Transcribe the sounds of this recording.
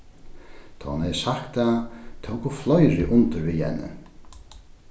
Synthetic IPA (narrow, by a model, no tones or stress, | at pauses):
t̪ʰɔ̰hʊnhɛjsakt̪at̪ʰowkuflɔjɾɪʔʊnt̪ɪɾvihɛ̰nːə̰